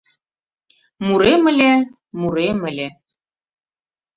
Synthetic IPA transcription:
muɾemɘ̆lʲe | muɾemɘ̆lʲe

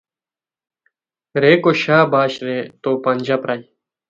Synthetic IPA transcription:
ɾeːkoːʃaːbaːʃɾeːt̪oːpaːnʲd͡ʒaːpɾaːiː

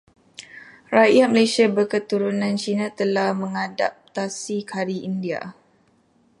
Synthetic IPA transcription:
rajat̪̚məlesiabərkət̪uɾunãnt͡ʃinat̪əlahmə̃ŋada̰p̚t̪asikʰaɾiindia̰

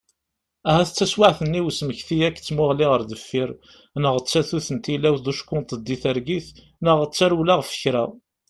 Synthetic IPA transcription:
æɦæθət͡sːæswaʕθənːiwsməçθijæk̪ːt͡sːmʊʁliʁəɾðəfːiɾ | nəʁət͡sːæθuθənt̪ilæwðuʃkːʊnt̪ˤəd̪ːiθəɾɡiθ | nəʁət͡sːaɾulaʁfə̥çɾæ

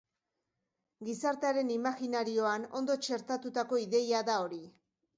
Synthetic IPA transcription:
ɡisaɾt̪eaɾe̞nimaɣinaɾio̞ano̞̰nd̪o̞t͡ʃe̞ɾt̪at̪ut̪ako̞iðe̞jaðao̞ɾi

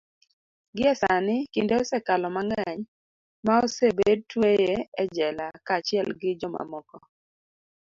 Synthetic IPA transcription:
ɡɪɛsanɪkindeosɛkalɔmaŋɛɲ | maosebed̚twejeɛd͡ʒɛlakat͡ʃɪɛlɡɪd͡ʒɔma̰mɔkɔ

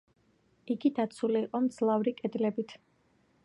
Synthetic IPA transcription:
iɡid̪at̪sʰuliːqʼɔmd̪zlˠavɾikʼɛd̪lɛbit̪ʰ

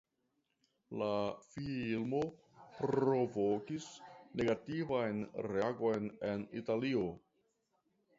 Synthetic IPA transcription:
lafilmo̞ | pɾɾo̞vokisne̞ɡativajnɾeaɡo̞jne̞nḭtalio̞

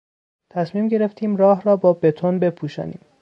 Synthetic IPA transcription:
t̪ʰæsmiːmɟe̞ɾe̞ft̪ʰiːmrɒːɦɾɒːbɒːbe̞t̪ʰonbe̞pʰuːʃɒ̰ːnḭːm

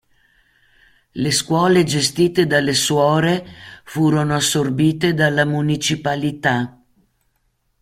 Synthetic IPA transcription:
leskwɔːled͡ʒest̪iːt̪ed̪alːeswɔːɾefuːɾonoasːorbiːt̪ed̪alːamunit͡ʃipalit̪a

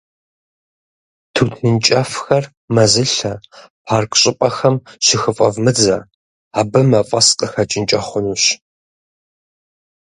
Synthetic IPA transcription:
tʰuːtʰɨnt͡ʃʼɐfxɐr | mɐzɨɬɐpʰaːrkʰʼɕʼɪpʼɐxɐmʃɪxɨfʼɐvmɨd͡zɐ | aːbɨmɐfʼɐsqʼəxɐt͡ʃʼɪnt͡ʃʼɐχʷʊnuːɕ

